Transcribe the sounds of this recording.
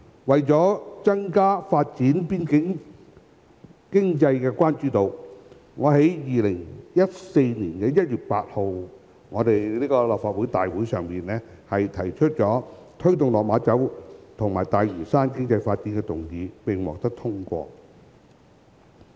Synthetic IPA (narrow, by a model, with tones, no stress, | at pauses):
wɐ˨jt͡sɔː˨˥t͡sɐ˥ŋkaː˥faː˧t̚t͡siː˨˥npiː˥nkɪ˨˥ŋ | kɪ˥ŋt͡sɐ˧jkɛː˧kʷwaː˥nt͡ʃyː˨˥t̪o˨˩w | ŋɔː˨˧ɦe˨˥jjiː˨lɪ˨˩ŋjɐ˥t̚se˧jniː˨˩nkɛː˧jɐ˥t̚jyː˨t̚pa̰ː˧t̚ho˨w | ŋɔː˨˧t̪e˨jniː˥kɔː˧˨lɔː˨p̚faː˧t̚wuː˨˥jt̪aː˨jwuː˨˥jsœː˨ŋpiː˨˩nlɛː˥hɐ˨jt̪ʰɐ˨˩jt͡ʃʰɵ˥t̚t͡sɔː˨˥t̪ʰɵ˥ɥt̪ʊ˨ŋlɔː˨˩k̚maː˨˧t͡sɐ˨˥wt̪ʰʊ˨ŋmaː˨˩jt̪aː˨jɥyː˨˩saː˥nkɪ˥ŋt͡sɐ˧jfaː˧t̚t͡siː˨˥nkɛ˧t̪ʊ˨˩ŋjiː˨˧pɪ˨ŋwɔ̰ː˨k̚t̪ɐ˥k̚t̪ʰʊ˥ŋkʷɔ̰ː˧